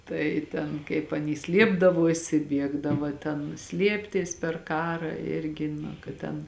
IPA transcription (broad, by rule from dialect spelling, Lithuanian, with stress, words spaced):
ˈtɐɪ tʲɛn kɐɪp ɐˈnʲiː ˈsʲlʲiɛbdɐʋoːsʲɪ ˈbʲiɛɡdɐʋɐ ˈtʲɛn ˈsʲlʲiɛpʲtʲɪs pʲɛr ˈkɑːrɑː ˈɪrʲɡʲɪ nɐ kɐt ˈtʲɛn